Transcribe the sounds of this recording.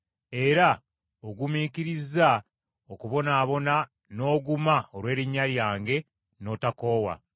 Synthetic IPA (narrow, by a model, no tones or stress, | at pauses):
e̞ɾa | oɡumikiɾiza | okuβo̞naːβo̞na | no̞ːɡumaoɾwe̞ːɾiɲːaljaːŋɡe̞ | no̞ːtako̞ːwa̰